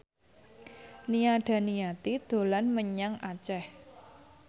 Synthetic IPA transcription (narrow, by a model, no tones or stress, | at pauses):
niaɖ̥ä̤nijat̪id̪̥o̤lanməɲaŋʔat͡ʃɛh